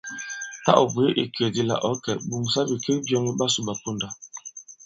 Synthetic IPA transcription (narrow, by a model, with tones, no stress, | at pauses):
ta̰˦ʔɔ̰˨bwe˦ʔḭ˨ke˨di˦la̰˨ʔɔ˨˦kɛ˨bu˨ŋsa˦bi˨ke˦bjɔ˦ŋi˦ba˦su˦˨ba˨pu˦nda˨